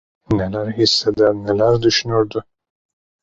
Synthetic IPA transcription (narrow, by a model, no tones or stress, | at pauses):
ne̞lʲæɾɦisːed̪æɾnelʲæɾd̪yʃynɾd̪ʊ